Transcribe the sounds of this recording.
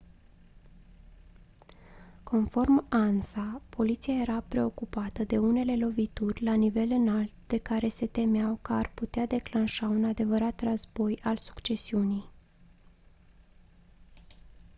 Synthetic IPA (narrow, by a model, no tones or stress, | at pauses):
kʰo̞nfo̞rmansapʰo̞lit̪siaje̞ɾapɾe̞o̞kupat̪əd̪e̞une̞le̞lo̞vit̪urʲlanive̞lɨnalt̪d̪̥e̞kaɾe̞se̞t̪e̞meawkəarput̪ead̪e̞klanʃaunad̪e̞vəɾat̪rəzbo̞jalsu̥kt͡ʃe̞siunij